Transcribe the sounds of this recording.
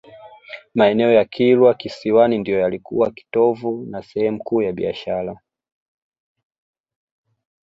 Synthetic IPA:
maɛnɛɔjakʰilwakisiwanindijɔjalikṵwaki̥tɔvunasɛhɛmukuːjaɓḭa̰ʃaɾa

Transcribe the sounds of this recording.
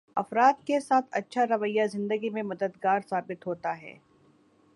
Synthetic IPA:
ɐfɾaːd̪kesaːt̪ʰɐtːʃʰaɾɐʋəjːazɪ̃nd̪əɡimẽmɐd̪əd̪ɡaːɾsaːbɪt̪ɦoːt̪aɦɛ̰ː

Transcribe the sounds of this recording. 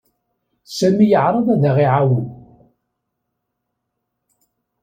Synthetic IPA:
sæmijəʕɾˤɑðæðəʁiʕawu

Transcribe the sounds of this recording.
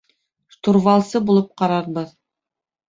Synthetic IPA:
ʃt̪uɾvɑlˠsɤbulˠɤp̚qɑɾɑɾbɤð

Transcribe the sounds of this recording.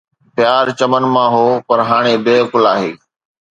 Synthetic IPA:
pjaːɾt͡ɕɐmənmãːɦoːpɐɾɦaːɽ̃eːbeːkʊlaːɦeː

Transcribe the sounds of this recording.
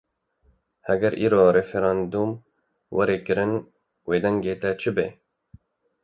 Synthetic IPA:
hɛɡɛɾʔiːɾoːɾɛfeɾɑːnd̪um | wʔɛɾeːkɨɾɨn | weːd̪ɛŋɡeːt̪ɛt͡ʃʰɨbḛː

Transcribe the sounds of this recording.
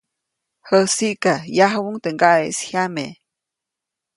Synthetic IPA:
həsiʔkajaɦwuŋt̪əŋɡaeshjame

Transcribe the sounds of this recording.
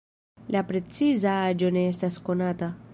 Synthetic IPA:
lapɾe̞t͡sizaad͡ʒo̞ne̞estasko̞nata

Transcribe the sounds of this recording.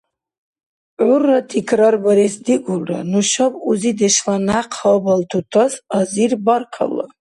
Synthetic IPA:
ʕurːat̪ʰikʰɾaɾbaɾisd̪iɡulra̰nuʃabuzid̪ɛʃlanaqʰɔbalt̪ʰut̪ʰasaziɾbarqʰa̰la̰

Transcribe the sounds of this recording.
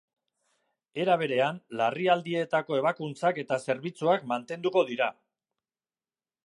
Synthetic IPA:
e̞ɾaβ̞e̞ɾe̞anlariald̪ie̞t̪ako̞e̞β̞akunt͡sake̞t̪ase̞ɾβit͡suakmant̪e̞nd̪uko̞ðiɾa

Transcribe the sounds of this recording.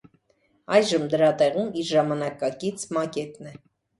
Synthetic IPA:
ɑjʒəmd̪əɾɑt̪ɛʁumiɾʒɑmɑnɑkɑkit͡sʰmɑkɛt̪nɛ

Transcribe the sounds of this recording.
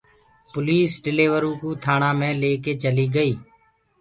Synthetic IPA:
pʊliːsɖɪleːʋəɾũːkũːt̪ʰaːɳãːmẽːleːkeːt͡ʃəliːɡəiː

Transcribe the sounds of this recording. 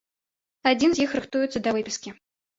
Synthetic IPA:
ad͡zʲinzʲjixɾɨxt̪ujʊt̪sɐd̪ɐvɨpʲiskʲi

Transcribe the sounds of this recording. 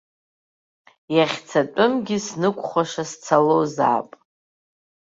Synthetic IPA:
jaχʲt͡sʰatʷʼʊmɡʲisnɨkʷʼχʷaʂast͡sʰaloza̰ːpʼ

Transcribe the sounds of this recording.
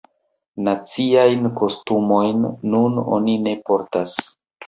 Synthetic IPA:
nat͡siajnko̞stumo̞jnːuno̞̰nine̞po̞ɾtas

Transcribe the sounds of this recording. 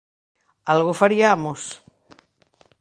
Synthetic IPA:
alɣofaɾiamos

